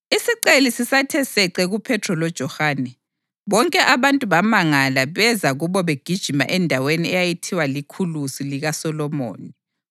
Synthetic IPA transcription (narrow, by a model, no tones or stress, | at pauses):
isiǀelisisatʰɛsɛǀɛɣupʰɛtʰrɔlɔd̥ʒ̥ʱɔhaːnɛ | βɔŋkʼɛʔaβantʼuβamaŋalaβɛzaɣuβɔβeɡ̥ʱid̥ʒ̥ʱima̰ʔɛndʱaweniɛjajitʰiwalikʰulusiliɣasɔlɔmo̰ːni